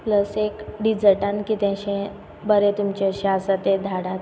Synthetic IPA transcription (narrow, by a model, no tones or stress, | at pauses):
pləsekɖid͡zəʈankit̪ãɕẽ | bəɾet̪umt͡ɕeɕasat̪ed̪ʱaɽat̪